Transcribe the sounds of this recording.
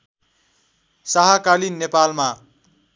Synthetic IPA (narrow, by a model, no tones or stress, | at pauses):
saɦakalinːepalma